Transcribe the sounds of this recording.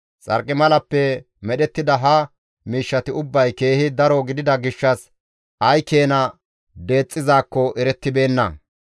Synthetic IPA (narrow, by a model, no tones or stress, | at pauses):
t͡sʼɐ̰ɾkʼːɪmɐlɐpːɛ | mɛɗɛt̪ːɪd̪ɐɦɐ | miːʃːɐt̪ɪʊbːɐjke̞ːhɪd̪ɐɾɔɡɪd̪ɪd̪ɐɡɪʃːɐs | ʔɐjkeːnɐ | d̪e̞ːt͡sʼːɪzaːkːɔʔɛɾɛt̪ːɪbe̞ːnːɐ̰